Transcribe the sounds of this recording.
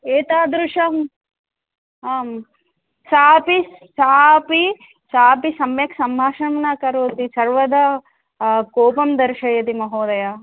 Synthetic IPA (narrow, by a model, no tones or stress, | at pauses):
eːt̪aːd̪ɾuʂɐm | aːm | saːpisaːpi | saːpisɐmjɐksɐmbʱaːʃɐmnɐkɐɾoːt̪isɐɾʋɐd̪ɐ | koːpɐmd̪ɐɾʃɐjɐt̪imɐɦoːd̪ɐja